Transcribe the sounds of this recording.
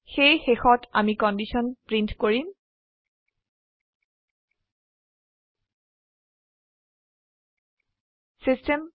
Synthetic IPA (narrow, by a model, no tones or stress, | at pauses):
xejxexɔtʰa̰mikɔndisɔnpɹintkoɹim | sistem